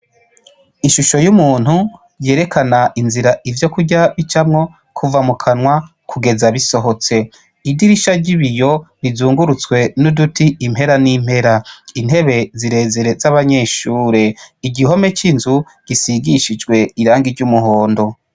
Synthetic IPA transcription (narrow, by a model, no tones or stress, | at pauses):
iʃuʃo̞jumuːn̥hu | ɾje̞ːɾe̞kʰanaʔinziɾaʔivjo̞kuɟaβit͡ʃamŋo̞ | kʰuvamukʰanwa | kʰuɡe̞zaβiso̞ɦo̞t͡se̞ | idiɾiʃaɟiβijo̞ɾizuːŋɡuɾut͡skwe̞nudutiːmhe̞ɾanim̥he̞ɾain̥he̞βe̞ziɾe̞ːze̞ɾe̞zaβaɲe̞ːʃuːɾe̞iɟiɦo̞me̞t͡ʃinzu | ɟ̥isiɡiʃid͡ʒɡwe̞iɾaːŋɡiɾɟumuɦo̞ːndo̞